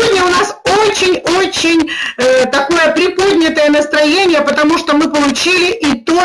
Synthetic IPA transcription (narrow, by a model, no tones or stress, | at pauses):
odʲnʲəʊnasot͡ɕɪnʲot͡ɕɪnʲt̪ɐko̞jəpɾʲɪpo̞d̪ʲnʲɪt̪əjənəst̪ɾɐjenʲɪjəpət̪ɐmuʂt̪omɨpəlˠʊt͡ɕilʲɪʔit̪o